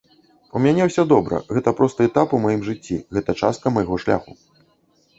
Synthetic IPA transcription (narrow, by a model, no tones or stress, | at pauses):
umʲanʲɛwsʲɔd̪ɔbɾɐ̰ɣɛt̪ɐpɾɔst̪ɨɛt̪apumajimʐɨt͡sʲːḭɣɛt̪ɐt͡ʂast̪̚kɐmɐjaɣɔʂlʲa̰xu